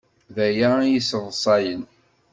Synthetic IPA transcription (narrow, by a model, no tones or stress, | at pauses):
ðæjajəsəðˤsˤɑjən